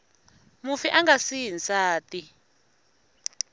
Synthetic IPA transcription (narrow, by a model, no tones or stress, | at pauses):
mufiʔaŋɡasiɦinsaːtʼi